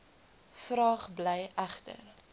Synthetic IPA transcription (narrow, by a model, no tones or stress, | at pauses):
frɑːχblɛjæχtə̰r